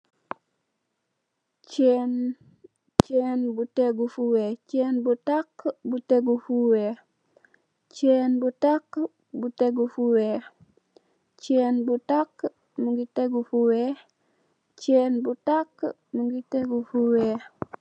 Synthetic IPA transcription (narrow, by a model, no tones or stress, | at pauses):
t͡ʃen | t͡ʃenbuteɡufuwet͡ʃeːnbutakbuteɡufuwe | t͡ʃenbutakː | buteɡufuwe | t͡ʃeːnbutakː | muŋɡiteɡufuwe | t͡ʃenbutak | muŋɡiteɡufuwe